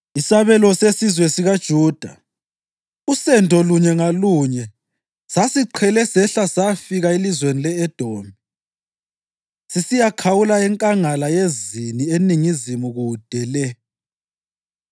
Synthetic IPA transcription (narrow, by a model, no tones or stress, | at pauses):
isaβɛlɔsesizwɛsiɣad̥ʒ̥ʱuːd̥ʱa̰ | usɛndʱɔluɲɛŋaluɲɛ | sasiǃʰɛlɛsɛɬasafiɣailizwenilɛːd̥ʱoːmi | sisijakʰawulaɛŋkʼaŋalajezinieniŋizimuɣud̥ʱɛlɛ